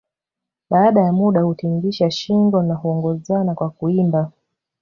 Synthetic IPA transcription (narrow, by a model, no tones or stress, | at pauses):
ɓaːɗajamuɗahutiŋɡiʃaʃiŋɡɔnahuɔŋɡɔzanakwakuimba